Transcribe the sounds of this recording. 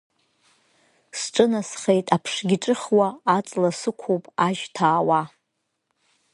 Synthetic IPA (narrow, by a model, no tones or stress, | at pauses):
sʈ͡ʂʼɨnasχejtʼapʰʂɡʲɪʈ͡ʂʼɨχwaːt͡sʼlasɨkʷʰowpʼaʒtʰaːwa